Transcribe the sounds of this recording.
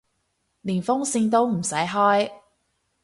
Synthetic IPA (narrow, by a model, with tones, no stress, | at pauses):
niː˨˩nfʊ˥ŋsiː˧nt̪o˥wm̩˨˩sɐ˨˥jɦɔː˥j